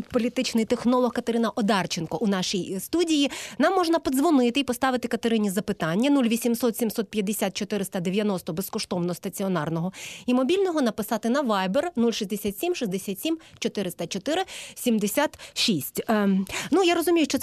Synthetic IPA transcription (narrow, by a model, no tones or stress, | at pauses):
t̪pɔlʲit̪ɪt͡ʃnɪjt̪exnɔlˠɔhkɐt̪ɐɾɪnɐʔɔd̪ɑrt͡ʃɪnkɔʔunɑʃijst̪udʲijinɑmːɔʒnɐpɔd̪zʋɔnɪt̪ɪipɔst̪ɑʋɪt̪ɪkɐt̪ɐɾɪnʲizɐpɪt̪ɑnʲːɐnulʲʋʲisʲimsɔt̪sʲimsɔt̪̚pʲjɐd̪ːesʲat̪̚t͡ʃɔt̪ɪɾɪst̪ɐd̪eʋʲjɐnɔst̪ɔbeskɔʃt̪ɔwnɔɔst̪ɐt͡sʲiɔnɑrnɔɦɔimɔbʲilʲnɔɦɔnɐpɪsɑt̪ɪnɐʋɑjbernulʲʃizʲd̪esʲat̪ʲsʲimʃizʲd̪esʲat̪ʲsʲimt͡ʃɔt̪ɪɾɪst̪ɐt͡ʃɔt̪ɪɾɪsʲimd̪esʲat̪ʃisʲtʲnujaɾɔzʊmʲijʊʃt͡ʃɔ